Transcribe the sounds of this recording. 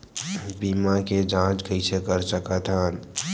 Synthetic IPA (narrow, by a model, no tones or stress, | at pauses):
biːmaked͡ʒãːt͡ʃkəisʰekəɾsəkat̪ʰãːn